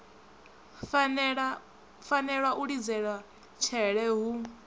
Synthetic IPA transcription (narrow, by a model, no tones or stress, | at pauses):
ɺ | fanɛɺwaʔuɺid͡zɛɺwa | t͡ʃʰɛɺɛɦu